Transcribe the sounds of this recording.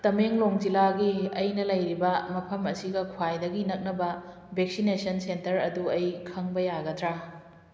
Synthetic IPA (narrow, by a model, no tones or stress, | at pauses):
tɐmeŋloŋd͡ʒilaɡiɐjnɐlɐjɾibɐmɐpʰɐmɐsiɡɐkʰwajdɐɡinɐk̚nɐbɐ | bek̚sinesɐnsentɐɾɐ̰duɐjkʰɐŋbɐjaɡɐtʰɾa